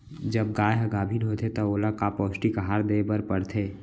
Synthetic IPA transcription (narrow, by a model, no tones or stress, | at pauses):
d͡ʒəb̚ɡaːeɦɐɡaːbʱinɦoːt̪ʰet̪ɔoːlakapɔːsʈikəɦaːɾd̪ebəɾpəɽt̪ʰeː